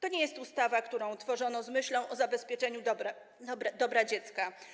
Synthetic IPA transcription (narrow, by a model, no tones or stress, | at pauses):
t̪ɔɲɛjɛst̪ust̪avakt̪uɾɔ̃w̃t̪fɔʐɔnɔzmɘɕlɔ̃w̃ʔɔzabɛspʲjɛt͡ʂɛɲud̪ | bɾd̪ɔbɾad͡ʑɛt̪ska